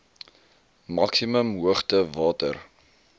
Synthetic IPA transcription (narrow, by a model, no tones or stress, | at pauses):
mɐksiməmɦuəχtəvɑːtə̰r